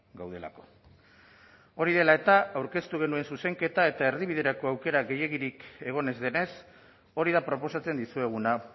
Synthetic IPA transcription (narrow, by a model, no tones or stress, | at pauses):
ɡawð̞e̞la̰ko̞̥ | o̞ɾiðe̞lae̞t̪aawɾke̞st̪uɣ̞enue̞nsuse̞ŋke̞t̪ae̞t̪ae̞ɾðiβiðe̞ɾako̞awke̞ɾaɣe̞je̞ɣiɾike̞ɣ̞o̞ne̞zðe̞ne̞s | o̞ɾiðapɾo̞po̞sat͡se̞nd̪isue̞ɣ̞una